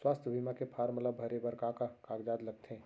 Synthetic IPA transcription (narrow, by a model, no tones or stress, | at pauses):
swaːst̪ʰjəbʱimakepʰaːɾmələbʱɐɾebəɾkakakaːɡd͡ʒaːd̪ləɡ̚t̪ʰẽ